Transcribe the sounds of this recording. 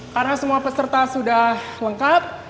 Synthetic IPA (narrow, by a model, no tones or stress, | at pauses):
karənasəmuapəsərt̪asudahləŋkap̚